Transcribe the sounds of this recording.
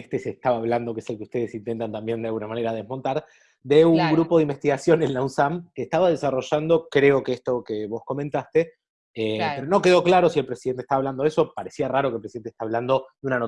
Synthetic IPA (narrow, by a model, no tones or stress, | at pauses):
st̪esest̪aβaːβland̪okeeselkeust̪e̞ð̞esint̪ent̪ant̪ambje̞nd̪ealɣunamane̞ɾað̞ezmo̞nt̪aɾ | d̪euŋɡɾupo̞ðeimbe̞st̪iɣasjo̞nelːawsamkeːst̪aβað̞esaro̞ʒand̪o̞kɾeo̞keest̪o̞keβo̞sko̞ment̪ast̪e | epeɾo̞no̞ke̞ð̞o̞klaɾo̞sie̞lpɾe̞siðe̞nt̪e̥t̪aβaβland̪eso̞paɾe̞siaraɾokelpɾesiðene̥t̪aβland̪o̞d̪eunano